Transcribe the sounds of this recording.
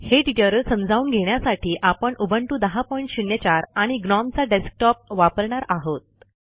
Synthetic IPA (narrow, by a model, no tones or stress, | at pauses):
heɖiʈəɾsəmd͡zʱauːnɡʱeɳjasaʈʰiːʔapəɳʔubʱəɳʈuːd̪əɦapɔiɳʈɕinjət͡ɕaɾaɽ̃iɡnɔmt͡saɖesk̚ʈɔp̚ʋapəɾɳaɾaɦot̪̚